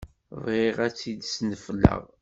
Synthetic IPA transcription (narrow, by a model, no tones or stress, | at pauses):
vʁiʁæt͡sːid̪snəflːə̰ʁ